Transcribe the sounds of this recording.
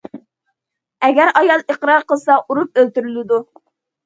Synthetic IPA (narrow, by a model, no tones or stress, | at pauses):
ɛɡʲæɾɑjɑlˠiqɾɑɾqəlˠsɑʔuɾup̚ølt̪yɾylɪd̪u